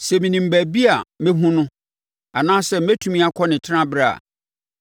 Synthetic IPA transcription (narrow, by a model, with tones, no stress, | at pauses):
sɛ˨mĩ˨nĩ˨m̩˨bæ˨bi˦a˨mẽ˦ɦũ˦nʊ̃˦ | a˨nãː˦sɛ˦˨m̩˦ɛ˦tʰu˦mĩ˦a˦kʰɔ˦nɪ̃˨tʰɪ˦ã˦bɾa˨a̰˨